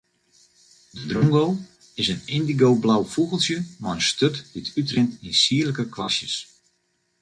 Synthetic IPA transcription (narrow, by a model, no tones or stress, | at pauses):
dədruŋɡow | ɪsənɪndiɡowblawfuɣəlˠsjəmajənstøtditytrɪntinsiələkəkʋasjəs